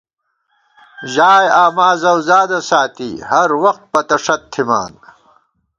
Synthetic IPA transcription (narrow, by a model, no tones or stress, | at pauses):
ʑaːjaːmaːzɐwzaːd̪asaːt̪iːhɐɾwɐxt̪̚pɐt̪ɐʂɐt̪ʰːima̰ːn